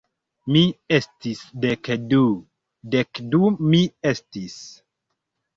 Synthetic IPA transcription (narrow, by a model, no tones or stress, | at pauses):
miestisdekdu | dekdumiestis